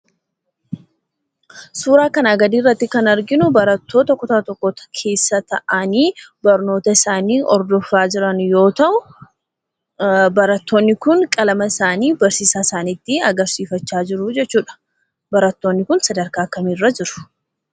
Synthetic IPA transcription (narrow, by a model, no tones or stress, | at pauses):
suːɾaːkɐnaɡɐd̪iːrːɐt̪ːɪkɐnɐɾɡɪnʊbɐɾɐt̪ːo̞ːt̪ɐkːʊt̪at̪ɔkːɔt̪kʰe̞ːsːɐt̪ɐʔɐniːbɐɾno̞ːt̪ɐɪsaːniːɔ̰ɾd̪ɔfːaːd͡ʒɪɾɐnjo̞ːt̪ɐʔʊ | bɐɾɐt̪ːo̞ːnːɪkʊnkʼɐlɐmɐɪsaːniːbɐɾsiːsaːɪ̥saːniːt̪ːɪɐɡɐɾsiːfɐt͡ʃːaːd͡ʒɪɾʊd͡ʒɛt͡ʃːuːᶑɐ̥ | bɐɾɐt̪ːo̞ːnːɪkʊnsɐd̪ɐɾkaːkːɐmiːrːɐd͡ʒɪɾʊ̥